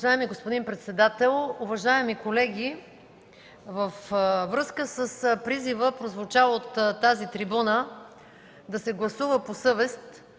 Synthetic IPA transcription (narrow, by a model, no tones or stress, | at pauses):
ʒaɛmiɡospod̪inpɾɛt̪sɛd̪at̪ɛlˠʊvɐʒaɛmikolɛɡʲi | vəfvɾɤskəsəspɾizivəpɾozvʊt͡ʃavˠot̪ːazit̪ɾibunə | d̪ɐsɛɡlˠɐsuvəposɤvɛst̪